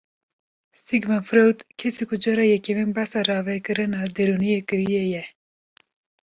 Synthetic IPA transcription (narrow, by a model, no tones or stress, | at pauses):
siɡmɛnfɾowt̪kʰesikʰʊd͡ʒɑɾɑːjɛkeminbasɑrɑːvɛkɨɾɨnɑːd̪eɾunijekɨɾijejɛ